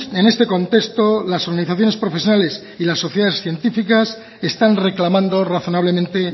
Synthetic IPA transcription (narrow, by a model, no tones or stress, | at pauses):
ene̞st̪e̞ko̞nt̪e̞kst̪o̞laso̞ɾɣaniθaθjone̞spɾo̞fe̞sjonale̞s | ilasːo̞θjeðaðesθje̞nt̪ifikas | e̞st̪anre̞klamãnd̪o̞raθo̞naβ̞le̞mẽnt̪e